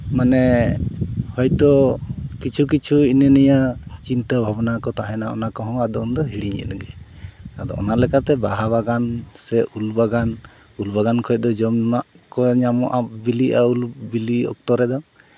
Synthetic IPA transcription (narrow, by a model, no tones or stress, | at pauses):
manɛ | hɔjt̪ɔkit͡ʃʰuk̬it͡ʃʰuinənijat͡ʃint̪əbʱabnakɔt̪aɦɛnaɔ̰nakɔɦɔ̃ŋad̪ɔund̪ɔɦiɽiɲɛ̰nɡɛt̪ad̪ɔ̰ɔ̰naʔlɛkat̪ɛbaɦaβaɡansɛʔulbaɡan | ulbaɡankʰɔd̪ɔd͡ʒɔmnaʔ | kɔɲamɔʔap̚biliʔaulbiliɔ̰k̚t̪ɔɾɛd̪ɔ